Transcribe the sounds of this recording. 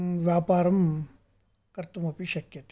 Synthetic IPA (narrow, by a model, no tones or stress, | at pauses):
ʋjaːpaːɾɐm | kɐɾt̪ɐmɐpiʃɐkjɐt̪